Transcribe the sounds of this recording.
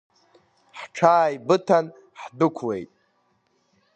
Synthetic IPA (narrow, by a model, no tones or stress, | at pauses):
ħʈ͡ʂʰaːjbɨtʰan | ħdɨkʷʰwḛjtʼ